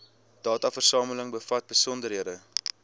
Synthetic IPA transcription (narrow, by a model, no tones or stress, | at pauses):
d̥ɑːtɐfərsɑːmələŋbəfɐt̚bəsɔndərɦiədə